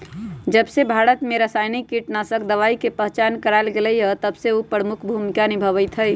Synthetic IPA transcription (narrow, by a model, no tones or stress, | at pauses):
d͡ʒəbsebʱaɾət̪meɾəsajnikːiʈnasəkd̪əʋaikepəɦt͡ʃankəɾaɪlɡeləjət̪əbseupɾəmukʰbʱumikanibʱəβəjt̪ʰəj